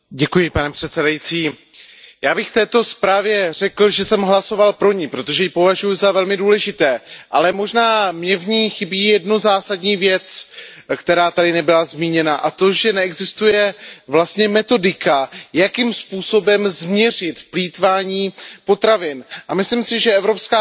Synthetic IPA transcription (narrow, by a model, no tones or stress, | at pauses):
ɟɛkujɪpanɛpr̥ɛt̪sɛdajit͡siː | jaːbɪxft̪ɛːt̪o̞spɾaːvjɛr̝ɛkl̩ʒɛsɛmɦlaso̞valpɾo̞ɲɪpɾo̞t̪o̞ʒɛjɪpo̞vaʒujʊzavɛlmɪduːlɛʒɪt̪ɛːʔalɛmo̞ʒnaːmɲɛvɲiːxɪbiːjɛdnuzaːsadɲiːvjɛt͡s | kt̪ɛɾaːt̪adɪnɛbɪlazmiːɲɛnaʔat̪o̞ʒɛnɛɛɡzɪst̪ujɛvlast̪ɲɛmɛt̪o̞dɪkajakimspuːso̞bɛmzmɲɛrɪt̪pliːt̪vaːɲiːpo̞t̪ɾavɪnʔamɪslimsɪʒɛɛvɾo̞pskaː